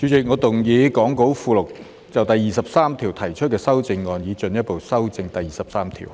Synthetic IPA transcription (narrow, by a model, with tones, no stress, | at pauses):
t͡ʃy˨˧˥t͡sɪ˨˩k̚ŋɔː˨˧t̪ʊ˨ŋjiː˨˧˥kɔː˨˥ŋko˨˥wfuː˧lʊ˨˩k̚ | t͡sɐ˨wt̪ɐ˨˩jːiː˨˩sɐ˨p̚saː˥mt̪ʰiː˨˩wt̪ʰɐ˨˩jt͡ʃʰt̚kɛː˧sɐ˥wt͡sɪ˧ŋːɔː˨˧njiː˨˧t͡ʃɵ˨˧njɐ˥t̚po˨˩wsɐ˥wt͡sɪ˧ŋt̪ɐ˨jːiː˨sɐ˨p̚saː˥mt̪ʰḭ˨˩w